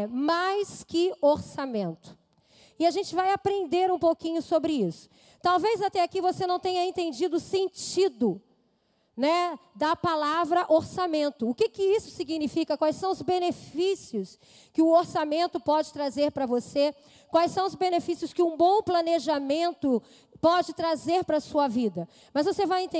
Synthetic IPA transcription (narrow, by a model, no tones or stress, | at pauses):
majskɪoɾsamẽnt̪ʊ̥ | ɪaʒẽnt͡ʃɪvajapɾẽnd̪eɾũpowkĩɲʊsobɾɪisʊ̥ | kt̪awvejzat̪ɛakivosenɐ̃w̃t̪ẽɲɐẽnt̪ẽnd͡ʒid̪ʊːsẽnt͡ʃid̪ʊ | nɛd̪ɐpalavɾɐʔoɾsamẽnt̪ʊːkɪkɪisʊ̥siɡinifikɐkwajsɐ̃w̃ʊzbenefisiʊs | kɪʊoɾsamẽnt̪ʊpɔd͡ʒɪt̪ɾazeɾpɾɐvose | kwajsɐ̃w̃ʊzbẽnefisijʊskɪũbõw̃planeʒamẽnt̪ʊ | pɔd͡ʒɪt̪ɾazeɾpɾɐsuɐvid̪ɐ | mɐzvosevajẽnt̪ẽ